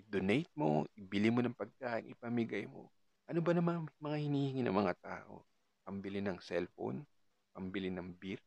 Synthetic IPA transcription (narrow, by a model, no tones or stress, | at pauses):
ʔɪd̪onɛjt̪̚mo̞̰ʔɪbɪlɪmonɐŋpɐɡ̚kaːʔɪnʔɪpɐmɪɡɐjmo̞̰ | ʔɐnobɐnɐmamɐŋahɪniːhɪŋɪnɐ̰ŋmɐŋat̪a̰ːʔo̞̰ | pɐmbɪlɪnɐŋsɛlfo̰n | pɐmbɪlɪnɐŋbiɾ